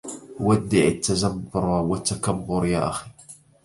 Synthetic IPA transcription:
wad̪ːɪʕɪt̪ːazabʊɾˤwat̪ːakabːʊɾja̰ːʔa̰xi̥

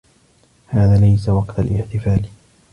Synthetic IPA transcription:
haːðaːlajsawɑqt̪alʔɪħt̪ɪfaːl

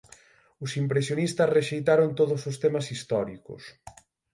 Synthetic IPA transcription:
ʊsimpɾesjonist̪ɐsreʃejt̪aɾʊnt̪oðʊsʊst̪emɐsist̪ɔɾikʊ̰s

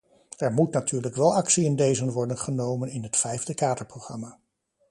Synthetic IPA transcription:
ɛɹmutnatyːɹləkʋɛlˠɑksiɪndejzənʋɔɹdənχənowmənɪnɦətfɛjvdəkaːdəɹprowχrɑmaː

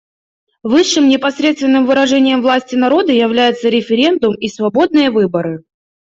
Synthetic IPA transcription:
vɨʂːɨmnʲɪpɐsɾʲe̞t̪st̪vɪnːɨmvɨɾɐʐɛnʲɪjəmvlˠasʲtʲɪnɐɾo̞d̪əjɪvlʲæjɪt̪səɾʲɪfʲɪɾʲe̞nd̪ʊmisvɐbo̞d̪̚nɨjəvɨbəɾɨ

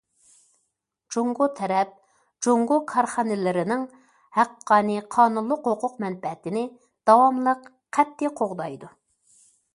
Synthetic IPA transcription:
d͡ʒoŋɡot̪ʰɛɾɛp̚ | d͡ʒoŋɡokʰɑɾχɑnɪlɪɾɪnɪŋ | hæqːɑːnɨqʰɑːnunlˠːʊqhoqʰʊqmɛnbɛt̪ɪnɪ | d̪̥ɑwɑmlˠəq | qʰæt̪ːɪqʰoʁd̪ɑjd̪u

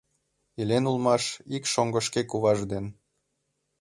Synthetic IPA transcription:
ilʲenulˠmɑʃikʃoŋɡəʃkekuβɑʒd̪en

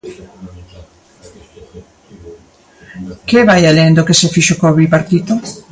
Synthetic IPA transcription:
keβajalend̪okesefiʃokoβipaɾt̪it̪o

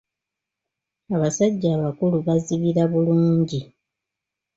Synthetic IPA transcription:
aβasaɟːaːβakuluβaziβiɾaβuluːɲɟi

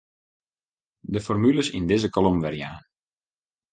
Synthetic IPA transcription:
dəfɔrmyləsindɪzəkolomʋɛrja̰ːn

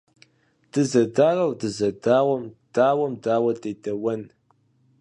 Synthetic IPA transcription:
d̥ɨzɐdaːrɐwdɨzɐdaːwɐmd̥aːwɐmdaːwɐdejdɐwɐn

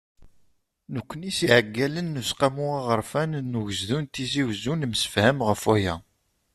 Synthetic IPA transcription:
nukʷːənisiʕəɡːælənːusqamuaʁəɾˤfænnːuʝəzðunt̪iziwzunmsə̥fhæmʁəfæjæ

